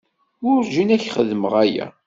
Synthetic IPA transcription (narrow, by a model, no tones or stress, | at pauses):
ʊɾʒinæçχəðməʁæjæ̰